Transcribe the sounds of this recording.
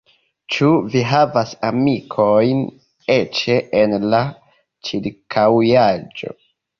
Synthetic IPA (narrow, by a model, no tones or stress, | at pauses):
t͡ʃuviɦavasamikʰo̞jn | et͡ʃe̞ʔenla | t͡ʃiɾkʰawjad͡ʒo̞̰